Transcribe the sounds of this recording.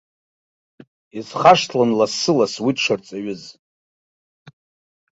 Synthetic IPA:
izχaʂtʰlanlasɨlaswiʂʷʰart͡sʼaɥɪz

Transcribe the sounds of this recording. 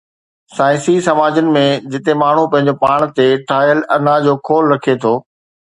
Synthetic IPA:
saːɪ̃sisɐmaːd͡ʑənɪ̆mẽd͡ʑɪt̪emaːɳ̤upɐ̃ɦɪ̃ɲd͡ʑopaːɽ̃t̪eʈʰaːjəlɐnad͡ʑoːkʰoːlɾɐkʰet̪ʰoː

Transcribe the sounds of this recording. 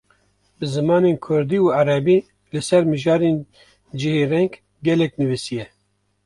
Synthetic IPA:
bɨzɨmɑːneːnkʰʊɾd̪iːuːaɾɛbiː | lɨsɛɾmɨʒɑːɾeːn | d͡ʒɪheːrɛŋɡ | ɡɛlɛknɨvisijɛ

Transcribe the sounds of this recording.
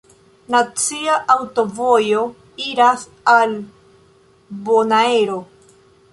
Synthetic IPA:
nat͡siaʔawto̞vo̞jo̞ | iɾas | al | bonaeɾo̞

